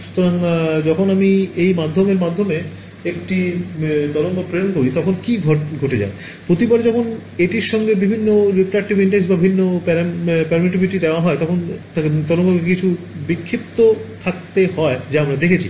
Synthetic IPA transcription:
ʃu̥t̪oɾaŋd͡ʑɔkʰonamiejmad̪ʱːomeɾmad̪ʱːome | ekʈit̪ɔloŋk̪opɾenkoɾit̪ɔkʰonkiɡʱoɡʱoʈed͡ʑa̰e | pɾot̪ipaɾd͡ʑɔkʰoneʈiɾʃɔŋɡebibʱinːoɾipɾak̚ʈibiɳʈensbabibʱinːopɛɾpɛɾmiʈ̬ibʱiʈid̪eoaɦɔet̪ɔkʰon | t̪ɔɾoŋkokekit͡ɕʰu | bikʰːep̚t̪ot̪ʰak̚t̪eɦɔed͡ʑaamɾad̪ekʰet͡ɕʰḭ

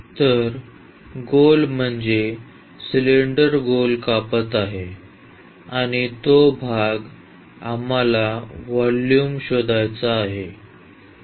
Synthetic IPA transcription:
t̪əɾ | ɡolm̤əɳd͡ze | sleɳɖəɾɡolkapət̪aɦe | aɽ̃it̪obʱaɡ | amalaʋaljumɕod̪ajt͡saːɦe

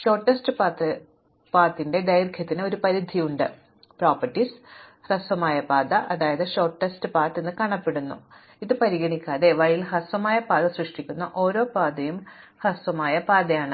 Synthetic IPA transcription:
ɕo̞ːrʈːɐstɨpat̪ːɨ | paːrt̪ːinde̞d̪ɐjrkʰjɐt̪ːinɨo̞ɾupɐɾid̪ʱijuɳɖɨ | proːpɐʈːisrɐsʋɐmaːjɐpaːd̪ɐʔɐðaːjɐðɨɕo̞ːrʈːɐstɨpaːrtːenːɨkɐɳɐpːe̞ɽunːṵ | iðɨpɐɾiɣɐɳikʲːaːðe̞ʋɐɻilhɐsʋɐmaːjɐpaːd̪ɐsrɨʂʈikʲːunːɐʔo̞ːɾo̞ːpaːd̪ɐjum | hɐsʋɐmaːjɐpaːd̪ɐjaːɳɨ

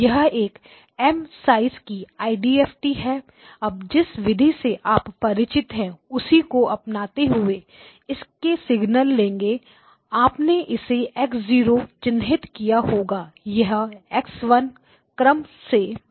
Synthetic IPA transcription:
jɐɦeːk | ɛːmsaːɪzkiaːɪɖiːɛːfʈiɦɛː | ɐb̚d͡ʒɪsʋɪd̪ʱiseʔaːpːɐɾɪt͡ʃɪt̪ɦɛ̃ʊsikoɐpnaːt̪eɦʊe | ɪskesɪɡnəlːẽːŋɡe | aːpneʔɪseɛːksziːɾot͡ʃɪ̃nd̪ʱɦɪt̪kijaɦoːɡaːjɐɦɛːksʋɐn | kɾəmse

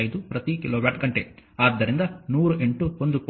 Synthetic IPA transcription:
jd̪upɾɐt̪ikiloːʋɐɾʈɡɐɳʈeaːd̪ːɐɾind̪ɐnuːɾuʔe̞ɳʈuond̪uk

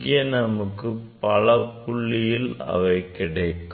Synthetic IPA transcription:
ɡɪjɐnɐmɯkːɯpɐɭɐpːʊɭːɪjɪlɐ̰ʋɐɪkɪɽɐɪkː

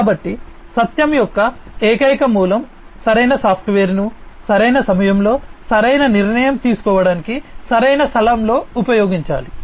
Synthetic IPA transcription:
kaːbɐʈːi | sɐt̪jɐmjɔkːɐ | eːkɐjkɐmuːlɐm | sɐɾɐjnɐsaːpʰʈʋeːɾnu | sɐɾɐjnɐsɐmɐjɐmlo̞ːsɐɾɐjnɐniɾnɐjɐmt̪iːsu̥kɔːʋɐɽaːnikisɐɾɐjnɐst̪ʰɐlamlo̞ːupɐjoːɡiɲt͡ʃa̰ːli

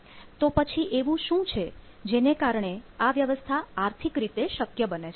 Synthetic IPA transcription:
t̪opət͡ʃʰiʔeʋũʃũt͡ʃʰe | d͡ʒenekaɾɳ̃eaʋjəʋəst̪ʰaːɾt̪ʰikɾit̪eʃəkjəbənet͡ʃʰe

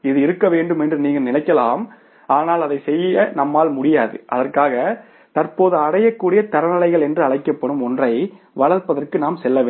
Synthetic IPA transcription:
ɪðɯɪɾɯkːɐʋeːɳɖɯmɛndrɯniːŋɡɐlnɪlɐɪkːɐlaːm | aːnaːlɐðɐɪsɛjːɐnɐmːaːlmʊɽɪjaːðɯ̰ʔɐðɐrkaːɣɐ | t̪ɐrpoːðɯɐɽɐjɐkːuːɽɪjɐt̪ɐɾɐnɐlɐɪɣɐɭɛndrɯɐɭɐɪkːɐpːɐɽɯmɔndrɐɪ | ʋɐɭɐɾpɐðɐrkɯnaːmsɛlːɐʋeː

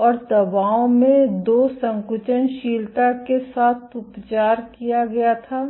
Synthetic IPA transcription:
ɔːɾd̪ɐbaːõmẽd̪oːsɐ̃ŋkʊt͡ʃənʃiːlʈakesaːt̪ʰʊpt͡ʃaːɾkijaɡɐjat̪ʰaː

